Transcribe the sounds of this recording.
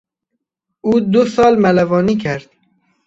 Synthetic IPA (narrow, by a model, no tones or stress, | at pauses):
uːd̪ʊsɒːlmælævɒːniːkʰæɾd̪̥